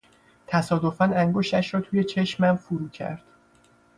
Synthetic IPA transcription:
t̪ʰæsɒːd̪o̞fænæŋɡo̞ʃt̪æʃɾɒːt̪ʰuːje̞t͡ʃʰe̞ʃmæmfuɾuːcʰæ̰ɾd̪̥

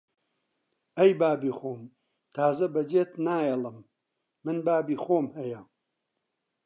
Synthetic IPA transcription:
ɐjbaːbiːxoːm | t̪ʰaːzɐbɐd͡ʒeːt̪naːjɛlˠɨmː | ɨnbaːbiːxoːmhɐjɐ

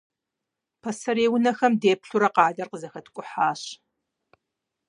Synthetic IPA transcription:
pʰɐsɐɾeːwʊnɐxɐmdeːpɬuɾɐqɑːdɐrqəzɐxɐtʰkʷʼʊħaːɕ

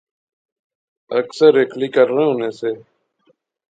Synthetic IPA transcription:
əksəɾeːkʰliːkəɾːẽːʊnẽːseː

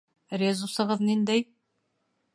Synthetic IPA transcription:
ɾʲezusɤ̆ʁɤðnind̪æj

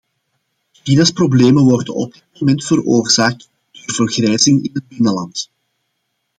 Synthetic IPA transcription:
ʃinasprobleːmənʋɔrdənɔ̰b̚dɪt̚momɛntfəɾoːrz̥aːk̚t | d̥øːrvərɣrɛːjzɪŋɪnɦəd̚bɪnəlɑnt

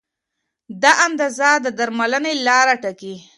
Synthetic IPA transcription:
d̪aʔamd̪azɑd̪əd̪aɾmalənelɑɾaʈaki

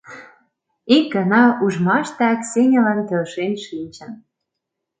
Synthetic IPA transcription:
ik̚ɡɑnɑuʒmɑʃt̪ɑksenʲə̆lənt̪ølʃenʃinʲt͡ɕə̆n

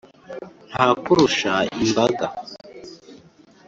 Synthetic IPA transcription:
n̥haːkuɾuʃaimbaɡa

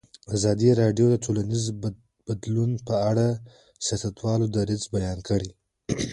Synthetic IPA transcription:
azɑd̪iɾɑɖjod̪ətʰolaniz | b̥ad̪lunpəaɽa | sjɑsat̪wɑlod̪aɾɪzbajɑnkəɽi

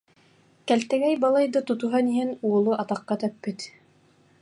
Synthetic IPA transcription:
kælt̪æɡæjbɑlˠɑjd̪ɤt̪ŭt̪uɦɑniɦɘnuŏlˠɤʔɑt̪ɑqːɑt̪œpːɘt̪

